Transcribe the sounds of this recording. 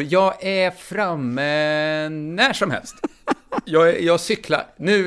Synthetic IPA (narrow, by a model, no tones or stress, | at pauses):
jɑːɡæfɾamːə | næʂɔmhɛ̰lst̪ | jɑːjɑːɡsʏkla̰ɾnʉ̟ː